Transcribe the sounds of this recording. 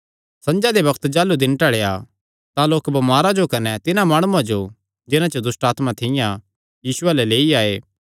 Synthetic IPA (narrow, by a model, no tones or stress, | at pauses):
sɐ̃nd͡ʒad̪ebɐkt̪d͡ʒaːlːud̪ɪnʈɐɽeja | t̪ãloːkbɐmaːɾad͡ʒokɐnɛt̪ɪnãmaːɽ̃uãd͡ʒo | d͡ʒɪnãt͡ʃəd̪ʊsʈaːt̪mãt̪ʰɪjã | jiːsʊalɛleːiaːeː